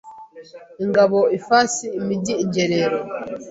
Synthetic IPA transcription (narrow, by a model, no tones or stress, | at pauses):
iŋɡaβo̞ifasiːmiɟiːɟeɾeɾo